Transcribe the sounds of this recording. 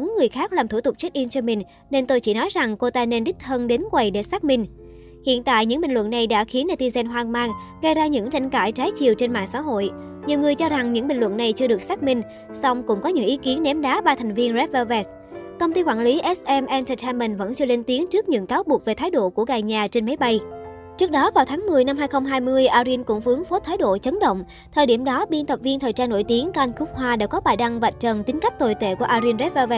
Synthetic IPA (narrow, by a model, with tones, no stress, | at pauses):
ŋːɨ˨˩əjxaː˦˥k̚laː˨˩mt̪ʰu˧˩t̪ʊ˨˩k͡p̚t͡ɕa˦˥k̚ʔi˧mt͡ɕɔ˧mï˨˩ŋ̟ | ne˧nt̪o˧jt͡ɕḭ˧˩nɔ˨˦jza˨˩ŋko˧t̪aː˧ne˧nɗi˦˥k̟̚həː˧nɗe˨˦nkwa˨˩jɗe˧˩saː˦˥k̚mï˧ŋ̟ | hḭ˧˨ənt̪a̰ː˧˨jɲɨ̰˧˥ŋɓï˨˩ŋ̟lwə̰˧˨nːa˨˩jɗa̰ː˧˥xi˨˦ənːaː˧t̪i˧zɛ˧nɦwaː˧ŋmaː˧ŋɣə˧˩jzaː˧ɲɨ̰˧˥ŋt͡ɕa˧jŋ̟kaː˧˩jt͡ɕaː˨˦jt͡ɕḭ˨˩əwt͡ɕe˧nma̰ː˧˨ŋsa̰ː˧˥ɦo̰˧˨jɲi˨˩əwŋɨ˨˩əjt͡ɕɔ˧za˨˩ŋɲɨ̰˧˥ŋɓï˨˩ŋ̟lwə̰˧˨nːa˨˩jt͡ɕɨ˧əɗɨ˨˩ək̚saː˦˥k̚mï˧ŋ̟ | sɔ˧wŋ͡mkʊ̰˧˥ŋ͡mkɔ˨˦ɲɨ̰˧˥ŋʔi˨˦ki˨˦ənːɛ˨˦mɗaː˨˦ɓaː˧t̪ʰɛ˨˩ŋ̟vi˧ənzɛ˦˥p̚vɛ˧vɛ˦˥s | kə˧wŋ͡mt̪i˧kwa̰ː˧˩nli˨˦ʔɛ˦˥sʔɛ˧mʔɛ˧ntə˧˩aː˧mːə˨˩nvə̰˧˥nt͡ɕɨ˧əle˧nt̪i˨˦ənt͡ɕɨ˦˥ək̚ɲɨ̰˧˥ŋkaː˨˦wɓu˨˩ək̚ve˨˩t̪aː˨˦jɗo̰˧˨ku˧˩əɣaː˨˩jɲaː˨˩t͡ɕe˧nma˨˦jɓa˧j | t͡ɕɨ˦˥ək̚ɗɔ˨˦vaː˨˩wt̪ʰaː˨˦ŋmɨ˨˩əjna˧mɦaː˧jxə˧wŋ͡mɦaː˧jmɨ˧əjʔaː˧zi˧nkʊ̰˧˥ŋ͡mfɨ˨˦əŋfo˨˦˥t̪ʰaː˨˦jɗo̰˧˨t͡ɕə˨˦nɗə̰˧˨wŋ͡m | t̪ʰəː˨˩jɗi˧˩əmɗɔ˨˦ɓi˧nt̪ʰə˨˩p̚vi˧ənt̪ʰəː˨˩jt͡ɕaː˧nːo˧˩jt̪i˨˦ənka˧ʔnkʊ˦˥k͡p̚hwaː˧ɗa̰ː˧˥kɔ˨˦ɓaː˨˩jɗa˧ŋva˨˩t̚t͡ɕə˨˩nt̪i˨˦ŋ̟ka˦˥p̚t̪o˨˩jt̪ḛ˧˩ku˧˩əʔaː˧zi˧nzɛ˦˥p̚va˧vɛ˦˥